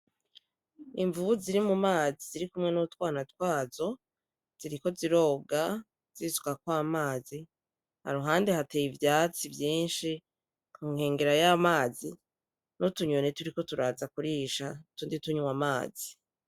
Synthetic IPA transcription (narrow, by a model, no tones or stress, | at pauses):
iɱvuuziɾimumaːziziɾikumŋe̞nutwaːnatwaːzo̞ | z̥iɾiko̞ziɾo̞ːɡa | z̥izukakwaːmaːzi | ha̰ɾuɦaːnde̞hatejivjaːt͡sivjiːnʃi | kʰuːŋhe̞ːŋɡe̞ɾajamaːzi | notuɲo̞ne̞tuɾiko̞tuɾaːzakuɾiːʃatuːndituɲuwamaːz̥i